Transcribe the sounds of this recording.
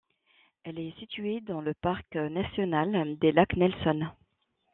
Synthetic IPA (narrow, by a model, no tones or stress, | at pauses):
ɛlɛsit̪ɥed̪ɑ̃ləpaʁknasjɔnald̪elaknɛlsɔn